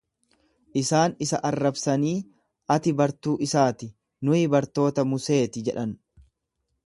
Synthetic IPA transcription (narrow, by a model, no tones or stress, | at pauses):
ʔɪsaːnɪsɐʔɐrːɐbsɐniː | ʔɐt̪ɪbɐɾt̪uːʔɪsaːt̪ɪ | nʊɪbɐɾt̪o̞ːt̪ɐmʊse̞ːt̪ɪd͡ʒɛᶑɐn